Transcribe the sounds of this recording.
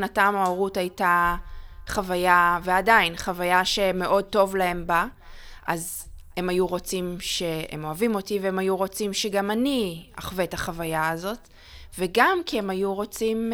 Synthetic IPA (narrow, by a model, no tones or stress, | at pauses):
natamaoʁuthajta | χavajaveadainχavajaʃeme̞ʔo̞d̚to̞vlae̞mba | ʔaz | e̞majuʁo̞t͡simʃe̞emo̞avimo̞tiveemajuʁo̞t͡simʃeɡamaniaχvetaχavajaːzo̞t | veɡamkiemajuʁo̞t͡sim